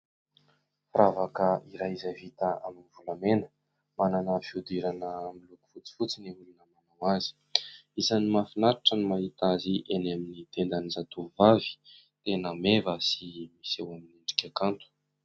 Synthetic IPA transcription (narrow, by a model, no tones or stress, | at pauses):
fravakəiɾaizavit̪aaminivulamenə̥ | mananəfiud̪iɾanəmiluku̥fut͡si̥fut͡siniulunəmanawazi̥ | izanimafinaɾaʈ͡ʂənimaɦit̪aziʔenaminit̪end̪anizat̪uvavi̥ | t̪enəmevəsimisewaminiɳɖ͡ʐi̥kʲakant̪u̥